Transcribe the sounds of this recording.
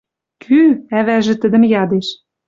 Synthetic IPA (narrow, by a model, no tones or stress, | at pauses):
kʰyæβæʒɘ̆t̪ə̆d̪ɘ̆mjɑd̪eʃ